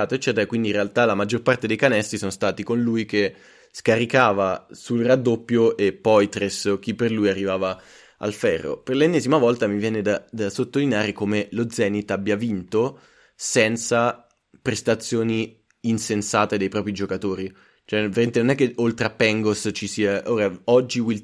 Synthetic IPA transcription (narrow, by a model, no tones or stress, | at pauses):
aːt̪oet͡ʃːɛːt̪eɾakwind̪iːnrealt̪alamad͡ʒːorpart̪ed̪ejkanɛst̪ɾisonost̪aːt̪ikonlujke | skaɾikaːvasulrad̪ːopːjoʔepːɔjt̪ɾesok̟ipːerlujarːivaːva | a̰lfɛrːo̰perlenːɛːzimavɔlt̪amivjɛːned̪ad̪asot̪ːolineaːɾekomelod̪zːɛːnit̪ːabːjavint̪o | sɛnt̪sa | pɾest̪at̪sːjoːniː | nsensaːt̪ed̪ejpɾɔːpɾid͡ʒokat̪oːɾi | t͡ʃoɛveɾament̪enonɛkːeolt̪ɾeapːɛŋɡost͡ʃisiːaʔoːɾaɔd͡ʒːiwil